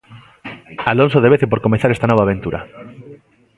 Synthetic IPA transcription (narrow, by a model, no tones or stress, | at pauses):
alõnsoðeβ̞eθep̬oɾkomeθaɾest̪anɔβ̞aːβ̞ent̪uɾa̰